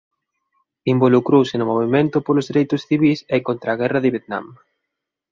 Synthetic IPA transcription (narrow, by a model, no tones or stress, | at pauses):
imbolukɾowsɪnʊmoβimẽnt̪ʊpolʊzðiɾejt̪ʊsθiβisɛkont̪ɾaːɣ̞ɛrɐðɪβjet̪nã̰m